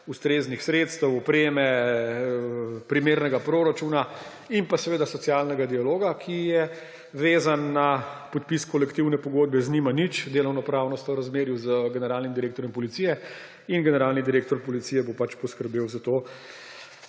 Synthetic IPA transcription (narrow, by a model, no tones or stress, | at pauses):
ust̪ɾeːznixsɾet̪st̪əwɔpɾeːmɛ | pɾimeːɾnɛɡapɾoɾat͡ʃuna | impasɛʋeːd̪asɔtsijalnɛɡad̪ialoːɡakʰijɛ | ʋeːzanːapɔt̪piskɔlɛkt̪iwnɛpɔɡod̪̚bɛznimanit͡ʃd̪eːlɔwnɔpɾawnɔst̪ɔwɾazmeːɾjuzəɡɛnɛɾaːlnimd̪iɾeːkt̪ɔɾjɔmpɔlit̪sijɛ | inɡɛnɛɾaːlnid̪iɾeːk̚t̪ɔɾpɔlit̪sijɛbopat͡ʃpɔskəɾbeːwzat̪oː